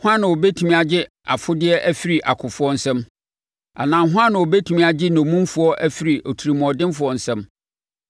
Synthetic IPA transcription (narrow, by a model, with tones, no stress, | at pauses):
hʊ̃˦ã˦nã˨wo˨be˦tʰu˨mĩ˦a˨d͡ʑɪ˦ | a˨fʊ˦dɪ˦ɛ˦ʔæ˦fi˦ɾi˨ʔa˨kʰʊ˨fʊ˦ɔ˦n̩˨˦sɛ̃˦m | a̰˨nãː˨˦ɦʊ˦ã˦nã˨wo˨be˦tʰu˨mĩ˦a˨d͡ʑɪ˦nɔ̃˨mũ˦m˦fʊ˨˦ɔ˦ʔæ˦fi˦ɾi˨ʔo˨tʰu˨ɾi˨mʊ̃˨ɔ˨dɪ̃˦m˦fʊ˨ɔ˨n̩˨sɛ̃˦m